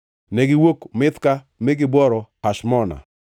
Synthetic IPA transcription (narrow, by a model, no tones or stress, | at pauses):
nɛɡɪwokmɪt̪ka | mɪɡɪbwɔɾɔhaʃmɔna̰